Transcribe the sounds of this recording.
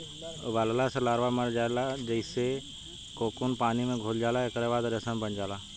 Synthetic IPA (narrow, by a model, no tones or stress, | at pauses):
ʋaːllaːsɐlaːɾʋaːməɾd͡ʒaːlaːd͡ʒəɪse | koːkuːnpaːnimẽːɡʱoːld͡ʒaːlaːekəɾeʋaːd̪ɾəsə̃mbʱəɲd͡ʒaːlaː